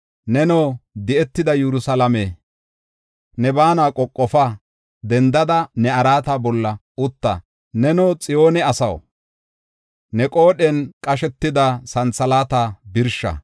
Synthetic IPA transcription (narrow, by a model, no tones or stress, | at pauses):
nɛnɔːd̪ɪɛt̪ːɪd̪ɐjɛɾʊsɐlɐme | nɛbaːnakʼɔkʼːɔfɐ | d̪ɛnd̪ɐd̪ɐnɛɐɾaːt̪abɔlːɐ | ʊt̪ːɐ̰ | nɛnowt͡sʼɪjo̞ːnɛɐsɐ̰w | nɛkʼo̞ːɗɛnkʼɐʃɛt̪ːɪd̪ɐsɐnt͡sːɐlaːt̪aːbɪɾʃɐ̰